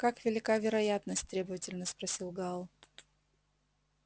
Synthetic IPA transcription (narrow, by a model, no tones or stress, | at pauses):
kakvʲɪlʲɪkavʲɪɾɐjat̪nəsʲtʲt̪ɾʲebəvətʲɪlʲnəspɾɐsʲilˠɡalˠ